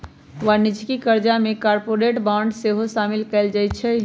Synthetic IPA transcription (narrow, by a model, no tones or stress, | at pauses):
ʋanid͡ʒkikəɾd͡ʒamekaɾpoɾeʈbaɳɖseɦosamilkɛld͡ʒajt͡ʃʰɛ